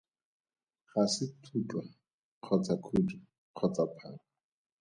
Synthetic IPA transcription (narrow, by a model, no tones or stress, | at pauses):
χasɪtʰut͡ɬʼwa | q͡χʰɔt͡sʰakʰudi | q͡χʰɔt͡sʼapʰaːŋɔ